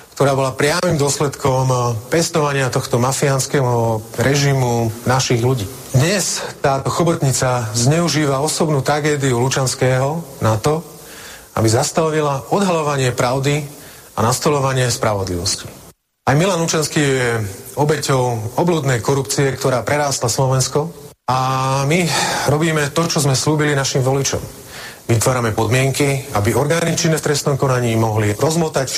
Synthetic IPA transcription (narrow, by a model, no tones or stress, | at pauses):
kt̪ɔɾaːbɔlapɾɪamimd̪ʊɔslɛt̪kʰɔmpɛst̪ɔʋaɲɪat̪ɔxt̪ɔmafianskɛːɦɔɾɛʒimunaʃiɣluɟiː | d̪ɲɛst̪aːt̪ɔxɔbɔt̪ɲit͡sazɲɛuʒiːʋaɔsɔbnuːt̪ɾaɡɛːd̪iulut͡ʃanskɛːɦɔnat̪ɔ | a̰bizast̪aʋilaɔd̪ɦalɔʋaɲɪɛpɾaʊd̪i | a̰nast̪ɔlɔʋaɲɪɛspɾaʋɔd̪liʋɔsci̥ | ajmilanlut͡ʃanskiːjɛɔbɛcɔʊɔbluːd̪nɛjkɔɾupt͡siɛkt̪ɔɾaːpɾɛɾaːst̪laslɔʋɛnskɔ | amiɾɔbiːmɛt̪ɔt͡ʃɔzmɛsluːbilinaʃimʋɔlit͡ʃɔ̰m | ʋit̪ʋɔɾamɛpɔd̪mɪɛŋkiabiɔɾɡaːnit͡ʃinːɛft̪ɾɛst̪nɔmkɔnaɲiːmɔɦliɾɔzmɔt̪ac